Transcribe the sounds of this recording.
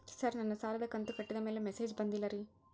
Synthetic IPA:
sɐɾnɐnːɐsaːlɐd̪ɐkɐnt̪ukɐʈːid̪ɐmeːlemeseːd͡ʒbɐnd̪ilːɐɾi

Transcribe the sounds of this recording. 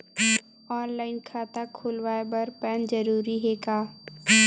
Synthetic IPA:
ɔːnlaːɪnkʰaːt̪akʰʊlʋaːebɐɾpɛːnd͡ʒəɾuːɾiɦeːkaː

